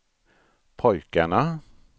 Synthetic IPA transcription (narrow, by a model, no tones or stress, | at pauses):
pʰɔjkaɳa